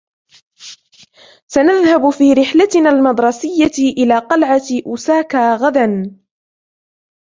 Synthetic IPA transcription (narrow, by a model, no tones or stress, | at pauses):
sanaðhabfiːɾɪħlat̪ɪnaːlmɑd̪ˤɾˤɑsɪjːaʔɪlaːqɑlʕaʔʊsaːkaːɣad̪an